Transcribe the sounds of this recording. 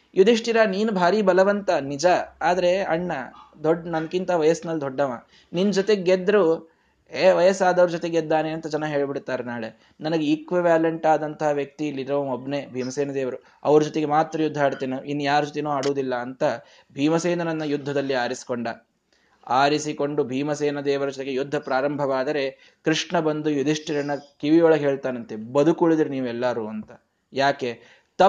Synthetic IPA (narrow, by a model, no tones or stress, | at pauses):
jud̪ʱiʂʈiɾaniːnubʱaːɾiːbɐlɐʋɐnt̪ɐnid͡ʒɐaːd̪ɐɾe̞ɐ̰ɳːɐ | d̪ɔɖnɐnkint̪ɐɐʋɐjɐsnɐlːd̪ʱɔɖːɐʋaː | ninːd͡ʒot̪eɡed̪ɾu | eʋɐjɐsaːd̪ɐʋɐɾud͡ʒɔt̪eɡed̪ːaːneɐnt̪ɐd͡ʒɐnɐɦe̞ːɭbiɽt̪ːaːɾenaːɭe | nɐnɐɡeikʋiʋaːleɳʈaːd̪ɐnt̪ɐɦɐʋjɐk̚t̪ilːiɾɾɐʋɐmobnebʱiːmɐseːnɐd̪eːʋɐɾu | ɐʋɐɾud͡ʒɔt̪eɡe̞maːt̪ɾɐjud̪ʱːaːɽt̪iːninːujaːɾud͡ʒot̪enoːaːɽoːd̪ilːɐːnt̪ɐ | bʱiːmɐseːnɐnɐnːɐjud̪ʱːɐd̪ɐlːiaːɾisi̥koɳɖɐ | aːɾisiko̞ɳɖubʱiːmɐseːnɐd̪ɛːʋɐɾɐd͡ʒɔt̪eɡe̞jud̪ʱːɐpɾaːɾɐmbʱɐʋaːd̪ɐɾe̞ | kɾiʂɳɐbɐnd̪ujud̪ʱiʂʈiɾɐnːɐkiʋijoːɭɐɡɦeːɭt̪aːnɐnt̪ebɐd̪ʱukuɭid̪iɾiniːʋuɛlːaɾuɐnt̪ɐ̥ | jaːke̞ | t̪ɐ